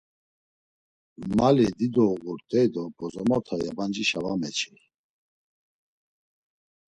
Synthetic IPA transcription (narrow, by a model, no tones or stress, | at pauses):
malid̪id̪ɔɣuɾt̪ʼɛjd̪ɔbɔzɔmɔt̪ʰajaband͡ʒiʃavamɛt͡ʃʰi